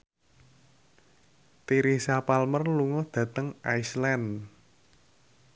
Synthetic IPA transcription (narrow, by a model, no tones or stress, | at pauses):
t̪iɾihsapalmərluŋɔd̪̥ä̤t̪əŋʔaislan